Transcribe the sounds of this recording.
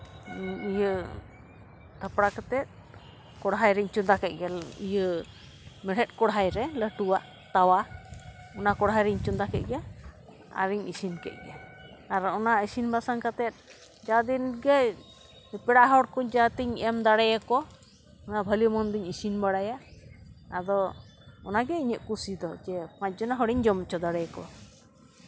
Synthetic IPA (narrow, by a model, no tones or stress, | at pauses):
ijə | t̪ʰəpɽakat̪ɛt̪̚ | kɔɽɦajɾɛɲt͡ʃund̪akɛt̪̚ˀɡɛlḭjə | mɛɽ̤ɛt̪̚kɔɽɦajɾɛləʈuwaʔ | t̪awa | ɔnakɔɽɦajɾɛɲt͡ʃund̪akɛt̪̚ˀɡɛ | a̰ɾiɲisinkɛ̰t̪̚ɡɛː | ɾɔnaisinbasaŋkat̪ɛt̪̚ | d͡ʒad̪inɡɛ | pɛɽaʔɦɔɽkɔd͡ʒat̪iɲɛmd̪aɽɛjakɔ | ɔnabʱəlimɔnd̪iɲisinbaɽajaʔ | ad̪ɔ | ɔnaɡɛiɲəʔ̪̚kusid̪ɔd͡ʒɛpac̚d͡ʒɔnaɦɔɽiɲd͡ʒɔmt͡ʃɔd̪aɽɛjkɔ̰